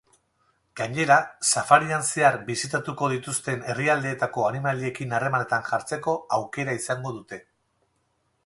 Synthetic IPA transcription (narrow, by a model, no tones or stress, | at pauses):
ɡ̥aɲe̞ɾasafaɾianseaɾbisit̪at̪uko̞ðit̪ust̪e̞ne̞riald̪e̞ːt̪ako̞animalie̞kinare̞mane̞t̪anʝaɾt͡se̞ko̞awke̞ɾaisaŋɡo̞ðut̪e̞